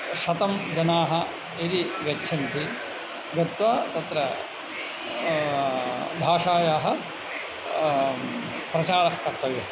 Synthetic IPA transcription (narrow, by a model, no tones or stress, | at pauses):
ʃɐt̪ɐmd͡ʒɐnaːɦɐ | id̪iʋɐtːt͡ʃʰɐnt̪i | ɡɐt̪ʋaːt̪ɐt̪ɾɐ | bʱaːʂaːjaːɦɐ̆ | pɾɐt͡ʃaːɾɐhkɐɾt̪ɐʋɐ